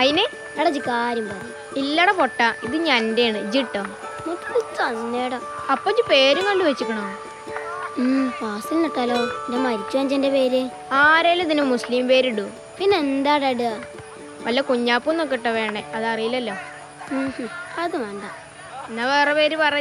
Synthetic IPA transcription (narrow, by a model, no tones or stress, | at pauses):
ɐðine | ɐɽɐd͡ʑikːaːɾjumpɐrɐ | ilːɐɽɐpoʈːɐʔiðɨɲanndejaːɳɨd͡ʑiʈːɐ | nuʈ̪ːɐðtɐnːeːɽo | ɐpːot͡ɕːɨpe̞ːɾuŋkɐɖuʋet͡ɕːikʲːɐɳɐ | paːsilnɐʈːaːloːndemɐɾit͡ɕːuʋɐɲd͡ʑɐndepe̞ːɾɨ | aːɾeːlːɐðinumusliːmpe̞ːɾiɽu | pinːeend̪aːɽeɽɨa | ʋɐlːɐkuɲːaːpːunokːiʈːɐʋeːɳɖeʔɐðɐrijilːɐlːoː | hɐðɨʋɐɳɖa | enːɐʋeːrɐpeːɾupɐrɐ